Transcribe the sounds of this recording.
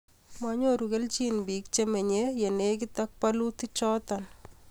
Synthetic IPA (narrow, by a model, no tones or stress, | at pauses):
maɲoɾuɣelt͡ʃinbik̚t͡ʃemeɲejenekɪt̪ak̚palut̪it͡ʃɔt̪an